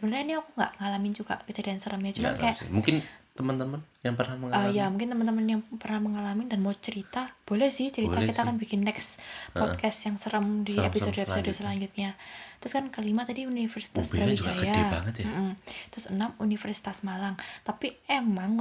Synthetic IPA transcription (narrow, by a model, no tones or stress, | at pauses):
ssəbənərɲainiakuŋɡa̰ʔŋalamɪnd͡ʒuɡa̰ʔkəd͡ʒadaansəɾəmjat͡ʃumankajaʔmuŋkɪnt̪əmənt̪əmənjaŋpərnahməŋaajamũŋk̬ɪnt̪əmənt̪əmənjaŋpərnahməŋalamɪndanmawt͡ʃəɾit̪ab̥olɛhsɪht͡ʃəɾit̪akkit̪akanbikɪnːɛkspɔdkasjaŋsəɾəmdiepisodepisodsəlaɲd͡ʒʊt̪̚ɲat̪ɾʊskankəlimat̪adiunifərsi̥t̪asb̥ɾabid͡ʒajaba̰ŋət̪jamm̩t̪ɾʊsənamunifərsi̥t̪asmalaŋt̪apiemaŋ